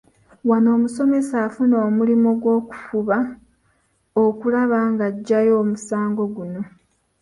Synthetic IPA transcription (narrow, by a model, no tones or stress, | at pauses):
wano̞ːmuso̞me̞saːfuno̞ːmulimo̞ɡwo̞ːku̥fuβa | okulaβaŋɡaɟːajo̞ːmusaːŋɡo̞ɡuno̞